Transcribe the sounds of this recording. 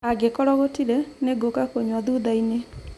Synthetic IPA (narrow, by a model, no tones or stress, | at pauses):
aɡekɔɾɔɣotiɾɛneɡokakoɲwaðuðaine